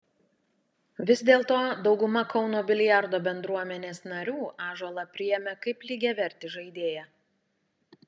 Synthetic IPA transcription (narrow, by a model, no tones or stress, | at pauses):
ʋʲɪzʲd̪ʲeːlˠt̪oːd̪ɒʊɡʊmɐkɒʊnoːbʲɪlʲɪjæˑɾd̪oːbʲɛnd̪ɾuɔmʲɛnʲeːsnɐɾʲuːʔɑːʒolˠɐpʲɾʲɪjɛmʲɛkɐɪplʲiːɡʲɛʋʲɛɾʲt̪ʲɪʒɐɪd̪ʲeːjɛ